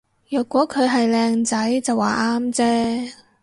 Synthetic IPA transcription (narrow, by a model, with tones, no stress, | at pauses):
jœː˨˩kːʷɔː˨˥kʰɵ˨˧ɥɦɐ˨jlɛː˧ŋt͡sɐ˨˥jt͡sɐ˨wːa̰ː˨ʔaː˥mt͡sɛː˥